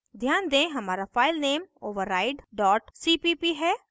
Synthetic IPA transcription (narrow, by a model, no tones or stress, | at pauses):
d̪ʱjaːnd̪ẽɦɐmaːɾafaːɪlneːmoːʋəɾːaːɪɖɖɔːʈsipipiɦɛː